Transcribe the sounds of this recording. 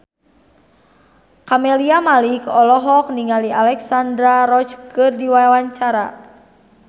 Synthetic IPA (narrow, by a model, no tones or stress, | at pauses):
kamɛliamalikɔlɔɦɔk̚niŋaliʔalɛksandɾaɾɔt͡ʃkɨrdiwajawaɲt͡ʃaɾa̰